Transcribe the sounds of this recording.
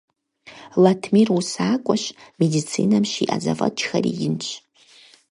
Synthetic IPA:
latʰmirusaːkʷʼɔɕmedit͡sʰiːnɐmʃiːʔɐzɐvɐ̰t͡ʃʰxɐrḭjɪnt͡ʃʰʼ

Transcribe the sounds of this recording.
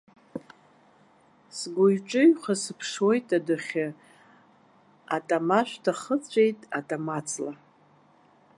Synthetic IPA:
sɡʷʊjʈ͡ʂʼɨɥχasɨpʰʂwojtʼadɨχʲɪ | atʼamaʃʷᶣtʰaχət͡sʷʼejtʼatʼamat͡sʰla

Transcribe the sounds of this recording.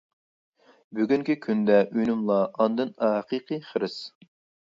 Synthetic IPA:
byɡʲyŋkʲikʲʰynd̪ɛʔynymlˠɑʔɑnd̪ɨnɑqʰiqʰɨχəɾɨs

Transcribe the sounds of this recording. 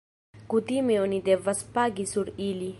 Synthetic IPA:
kut̪imeonid̪ɛvaspaɡisuɾili

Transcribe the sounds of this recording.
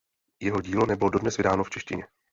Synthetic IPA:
jɛɦo̞ɟiːlo̞nɛbɪlo̞do̞dnɛsvɪdaːno̞ft͡ʃɛʃcɪ̰ɲɛ

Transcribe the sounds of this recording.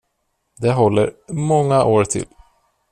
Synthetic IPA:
d̪ɛɦɔlːə̰ɾmɔŋːaʔoːɾt̪ʰɪ̰l

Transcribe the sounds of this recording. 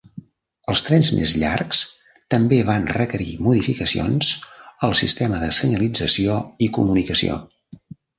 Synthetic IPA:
əlˠst̪ɾɛnzmḛzʎa̰rks | t̪əmbeβanrəkəɾḭmuðifikəsio̰nzəlˠsḭst̪ɛməðəsəɲəlid͡zəsioikṵmunikəsḭo̰

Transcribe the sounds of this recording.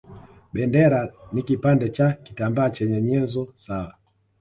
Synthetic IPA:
ɓɛndɛɾanikipandɛt͡ʃaki̥tambaːt͡ʃɛɲɛɲɛzɔsawa

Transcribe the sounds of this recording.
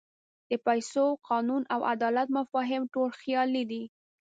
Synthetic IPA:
d̪̥əpajsoqɑnunawa̰d̪ɑlat̪mafɑɦɪmʈolxjɑlid̪i

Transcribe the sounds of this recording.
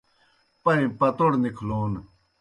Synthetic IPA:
pɐĩpɐt̪oɽnikʰloːn

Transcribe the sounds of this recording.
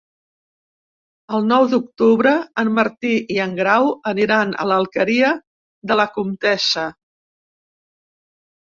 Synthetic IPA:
əlˠnɔwd̪uk̚t̪uβɾəːmməɾt̪iʔiəŋɡɾawəniɾanə̰ləlˠkəɾiə | ðələkumt̪ɛsə

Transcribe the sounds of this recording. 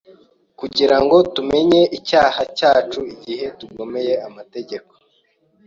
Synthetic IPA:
kuɟiɾaŋɡo̞tume̞ɲe̞ʔicaːhacaːt͡ʃuiɟihe̞tuɡo̞me̞je̞amate̞ɟe̞ko

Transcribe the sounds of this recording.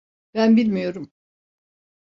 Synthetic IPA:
b̥ænbilʲmijo̞ɾum

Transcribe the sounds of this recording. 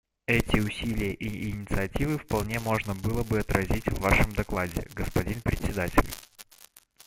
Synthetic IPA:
ɛtʲɪʊsʲilʲɪjəʔiʔːnʲɪt̪sɨɐtʲivɨfpɐlˠnʲe̞mo̞ʐnəbɨlˠəbɨɐt̪ɾɐzʲitʲvːaʂɨmd̪ɐklˠadʲɪ̰ɡəspɐdʲinpɾʲɪtʲsʲɪd̪atʲɪ̰lʲ

